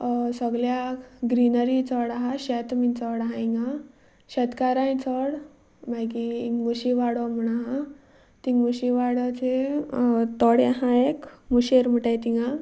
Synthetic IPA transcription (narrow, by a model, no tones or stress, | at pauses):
səɡljaɡɾinəɾit͡sɔɽaɦaɕɛt̪mint͡sɔɽaɦaiŋɡa | ɕɛt̪kaɾajĩt͡sɔɽ | majkiːŋɡmuɕiʋaɽamuɳaɦa | t̪iŋɡmuɕiʋaɽat͡se | t̪ɔɽjaɦãekmuɕeɾm̤uʈajt̪iŋɡa